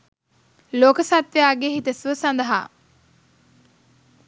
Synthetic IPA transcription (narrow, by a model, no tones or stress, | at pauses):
loːkəsat̪ʋejaːɡeɦit̪əsʋəsand̪əɦa̰ː